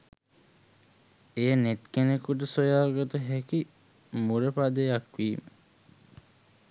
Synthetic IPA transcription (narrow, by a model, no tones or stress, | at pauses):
ejnet̪kenekuʈ̬əsojaːrɡot̪əɦæki | muɾepad̪ejakʋiːmə